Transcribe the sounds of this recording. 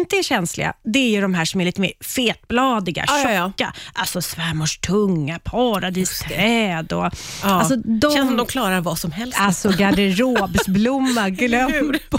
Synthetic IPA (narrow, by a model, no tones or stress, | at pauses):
nt̪əæɕɛnslɪ̰ɡa̰d̪ɛæɾjɵd̪ɔmɦæːʂɔmæɾɭiːt̪əmḛːɾfeːt̪̚blɑːd̪ɪɡa̰ʃɔkːa̰ʔalsɔsvɛmːɔʂt̪ʰɵŋːapʰɑːɾad̪iːst̪ʰɾɛːd̪ɔalsɔd̪ɔɛd̪ɔmkʰlɑːɾaɾvasɔmhɛlalsɔɡad̪ɛɾoːbsblʊmːaɡlœm